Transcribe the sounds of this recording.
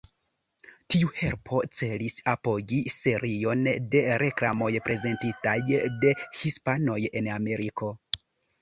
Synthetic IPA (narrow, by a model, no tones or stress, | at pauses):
tiuhe̞ɾpʰo̞t͡se̞lisapo̞ɡise̞ɾʔio̞nde̞ɾe̞klamo̞jpɾe̞ze̞ntitajde̞hispano̞je̞name̞ɾikʰo̞